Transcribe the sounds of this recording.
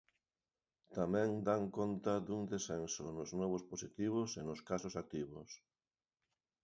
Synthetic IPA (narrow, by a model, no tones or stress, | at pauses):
t̪amɛ̃ŋd̪aŋkɔnt̪ɐðuŋd̪esɛnsʊnʊznɔβ̞ʊsposit̪iβ̞ʊsenʊskasʊsak̚t̪iβʊs